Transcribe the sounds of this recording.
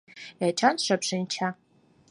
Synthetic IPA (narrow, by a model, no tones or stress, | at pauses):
jat͡ʃʰanʂʷapʂɨnt͡ʃʰa